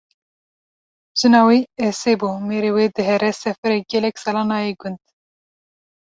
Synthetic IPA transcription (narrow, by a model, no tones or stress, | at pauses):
ʒ̥ɨnɑːwiːɛseːbuːmeːɾeːweːd̪ɨɦɛɾɛsɛfɛɾeɡɛlɛksɑlɑːnɑːjeɡʊnd̪̥̚